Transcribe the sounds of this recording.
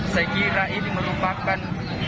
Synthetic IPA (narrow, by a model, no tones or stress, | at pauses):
səkiɾaʔiniməɾupakan